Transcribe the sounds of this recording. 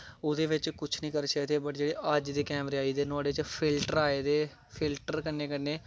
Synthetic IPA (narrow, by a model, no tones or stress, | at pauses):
ʊd̪eːʋɪt͡ʃkʊt͡ʃʰnĩːkəɾt͡ʃad̪eːbəʈd͡ʒeːɽeːʔəd͡ʒd̪iːkɛːmɾeːaːiːd̪eːnʊaːɖeːt͡ʃpʰɪlʈəɾaːeːd̪eː | pʰɪlʈəɾkənːeːkənːeː